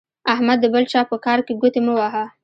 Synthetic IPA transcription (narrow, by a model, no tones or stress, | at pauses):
ahmad̪ːəbəlt͡ʃɑpəkɑɾkeɡut̪eməwaɦa